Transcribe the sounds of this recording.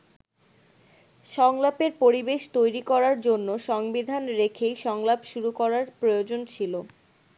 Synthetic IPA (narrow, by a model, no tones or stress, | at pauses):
ʃɔŋlapeɾpoɾibeʃt̪ojɾikɔɾaɾd͡ʑonːoʃɔŋbid̪ʱanɾekʰejʃɔŋlapʃuɾukɔɾaɾpɾojod͡ʑont͡ɕʰilo